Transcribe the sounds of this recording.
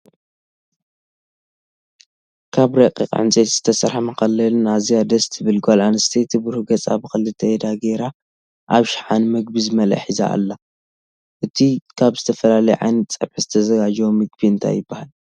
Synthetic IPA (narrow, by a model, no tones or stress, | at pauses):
kʰaβɾɐkʼḭkʼʕɨ̰nt͡sʼet̪z̥ɨt̪ʰɐsɐɾħmɐkɐlːɐlnazijad̪ɐst̪ʰɨβɨlɡolanɨst̪ʰet̪ʰɨbuɾhuɡɐt͡sʼa̰βɨxɨlːɨt̪ʰːɐed̪aɡeɾa | ʔa̰βʃħanmɨɡ̚bizɨmɐla̰ħiza̰ʔːlːa | ʔɨt̪ʰikʰaβzɨt̪ʰɐfɐlalɐjʕa̰jnt̪t͡sʼɐ̰βħɨzɨt̪ʰɐzɐɡad͡ʒwomɨɡ̚biɨnt̪ʰa̰jɪbːahal